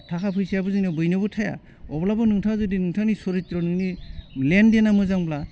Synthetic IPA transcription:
tʰakʰapʰɯjsijabɯzɯnɯbɯjnɯbɯtʰaja̰ | ɔblabɯnɯŋtʰazɯdinɯŋtʰanisɔɾitɾɔnɯŋnilendenamɯzaŋbla

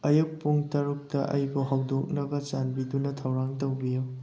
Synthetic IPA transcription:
ɐjuk̚pːuŋtɐɾuk̚tɐʔɐjbuɦawdok̚nɐbɐt͡ʃanbidunɐtʰawɾaŋtowbijo

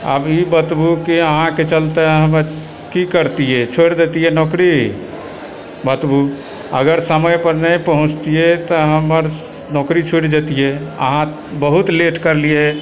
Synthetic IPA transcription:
ə̰bibət̪bukiəɦãket͡ʃəlt̪eɦəməɾ | kikəɾt̪ijet͡ʃʰoɽd̪et̪ijenɔkɾi | bət̪bu | əɡəɾsəməjpəɾnəjpəɦũt͡ʃt̪ijet̪ɔɦəməɾ | nɔkɾit͡ʃʰuɽd͡ʒet̪ijeə̰ɦã | bəɦut̪leʈkəɾlije

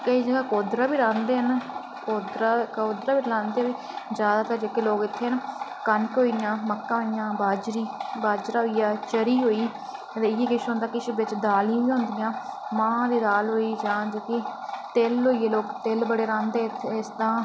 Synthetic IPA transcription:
kəiːd͡ʒəɡaːkoːd̪ɾaːbiːɾãːnd̪eːɦən | koːd̪ɾaːkoːd̪ɾaːbiːlãːnd̪eːʋiː | d͡ʒjaːd̪aːt̪əɾd͡ʒəkeloːkɪt̪ʰːeːɦənkənkɦoːijãːməkːãːɦoːijãːbaːd͡ʒɾiːbaːd͡ʒɾaːɦoːijaːt͡ʃəɾiːɦoːiː | t̪eːɪjeːkɪʃɦõːnd̪aːkɪʃʰbɪt͡ʃd̪aːlãːʋiːɦʊ̃ːnd̪ɪjãːmãːd̪iːd̪aːlɦoːiːd͡ʒãːd͡ʒeːkiːt̪eːlɦoːiːjeːloːkt̪eːlbəɽeːɾãːnd̪eːɪt̪ʰːeɪsd̪ãː

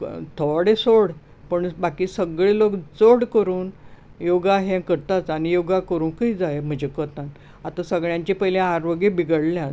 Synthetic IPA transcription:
t̪ʰɔɽesoɽ | pəɳbakiːsəɡɭelokt͡soɽkəɾuːn | joɡaɦẽkəɾt̪at͡sanijoɡakəɾuːnkəid͡zajm̤əd͡ʑekət̪ãn | at̪asəɡɭjãɲt͡ɕipəjlẽaɾʋəɡebiɡəɽljã

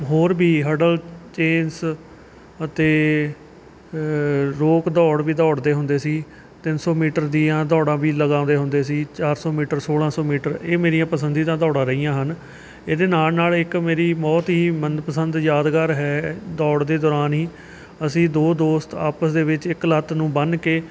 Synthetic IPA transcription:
ɦoːɾbiːɦəɖəlt͡ʃeːns | ət̪eː | ɾoːkd̪ɔːɽʋiːd̪ɔːɽd̪eːɦʊ̃nd̪eːsiː | t̪ɪnsɔːmiːʈəɾd̪iːãːd̪ɔːɽãːbiːləɡaːʊ̃nd̪eːɦʊ̃nd̪eːsiːt͡ʃaːɾsɔːmiːʈəɾsoːɽãːsɔːmiːʈəɾeːmeːɾijãːpəsənd̪iːd̪ãːd̪ɔːɽãːɾəiːãːɦən | eːd̪eːnaːlnaːlɪkmeːɾiːmɔːt̪ɦiːmənpəsənd̪jaːd̪ɡaːɾɦɛːd̪ɔːɽd̪eːd̪ɔːɾaːnɦiː | əsĩːd̪oːd̪oːst̪aːpəsd̪eːʋɪt͡ʃɪklət̪nũːbənkeː

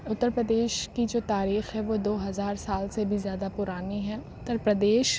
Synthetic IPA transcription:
ʊt̪ːəɾpɾəd̪eːʃkid͡ʒoːt̪aːɾiːxɦɛʋoːd̪oːɦɐzaːɾsaːlsebʱizjaːd̪apʊɾaːneɦɛ̃ʊt̪ːəɾpɾəd̪eːʃ

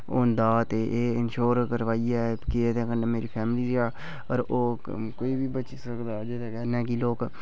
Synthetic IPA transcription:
ond̪aːt̪eʔeːɪnʃoːɾkəɾʋaːiɛːkiet̪ẽːkənẽːmeːɾiːpʰɛːmɪliːd͡ʒiaː | ɔɾoː | koːiːbʱiːbəʃisəkd̪aːd͡ʒed̪aːɡɛːnɛ̃ːkiloːk

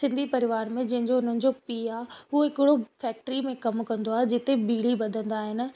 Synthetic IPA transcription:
sɪ̃nd̪ʱipɐɾɪʋaːɾmẽd͡ʑɐ̃ɦɪ̃ɲd͡ʑoʊn̤ənɪ̆d͡ʑopiːaːɦuoɪkɪɽofɛːk̚ʈɾimẽkɐmkɐ̃nd̪oaːɦed͡ʑɪt̪ebiːɽibɐd̪ʱə̃nd̪aːɦɪnɪ̆

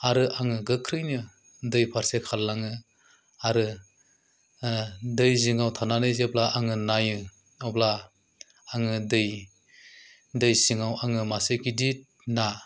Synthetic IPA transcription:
aɾɯʔaŋɯɡɯkʰɾɯjnɯ | dɯjpʰaɾsekʰalːaŋɯ | aɾɯ | dɯjziŋawtʰananɯjzeblaʔaŋɯnajɯ | ɔblaː | ŋɯdɯj | dɯjsiŋawaŋɯmasɯjkʰidit̚ | na

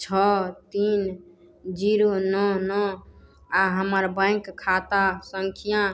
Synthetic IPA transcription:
t͡ʃʰɔt̪in | d͡ʒiɾonɔnɔ | aɦəməɾbə̃ɪkkʰːat̪asəŋkʰijã

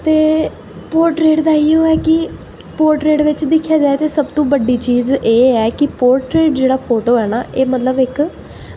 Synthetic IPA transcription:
t̪eː | poːɾʈɾeːʈd̪aːiːoːɛːkɪ | poːɾʈɾeːʈʋɪt͡ʃd̪ɪkʰːjaːd͡ʒaːeːt̪eːsəbt̪õːbəɖiːt͡ʃiːzeːɛːkɪpoːɾʈɾeːʈd͡ʒeːɽaːpʰoːʈoːɛːnaːʔeːmət̪ləbɪk

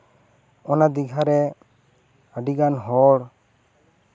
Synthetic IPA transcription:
ɔnad̪iɡʱaɾɛ | əɖiɡanɦɔɽ

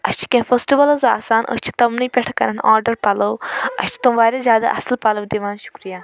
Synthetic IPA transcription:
ɐʃt͡ʃʰi̥kʲẽfəsʈiʋɐlɐza̰ːsaːnʔə̰ʃʲt͡ʃʰi̥t̪ɐmnɨjpʲɛʈʰkɐɾɐna̰ːɾɖɐɾpɐlowɐ̰ʃt͡ʃʰt̪umʋaːɾʲezʲaːd̪a̰ʔɐ̰slpɐlɐbd̪iʋaːnʃu̥kɾijaː

